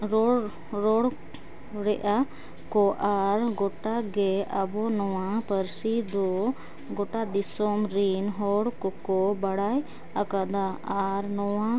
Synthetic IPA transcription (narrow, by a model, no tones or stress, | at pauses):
ɾɔ | ɾɔɽ | ɾɛʔa | kɔʔaɾɡɔʈaɡɛʔabɔnɔwapəɾsid̪ɔ | ɡɔʈad̪isɔmɾinɦɔɽkɔkɔbaɽaj | akad̪aaɾnɔwa